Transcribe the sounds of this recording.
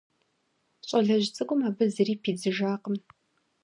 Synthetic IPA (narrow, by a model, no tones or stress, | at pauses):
ɕʼɐɮɐʑt͡sʼɨkʷʼʊmaːbɨzɨriːpʰiːd͡zɨʒaːqəm